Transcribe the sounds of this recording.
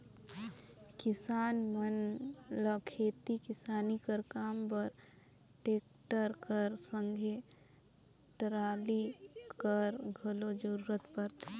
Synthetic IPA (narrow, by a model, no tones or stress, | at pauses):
kɪsaːnmənləkʰeːt̪ikɪsaːnikəɾkaːmpəɾ | ʈeːk̚ | ʈəɾkəɾsə̃ŋɡʱe | ʈəɾaːlikəɾɡʱəlod͡ʒəɾuːɾət̪pəɾt̪e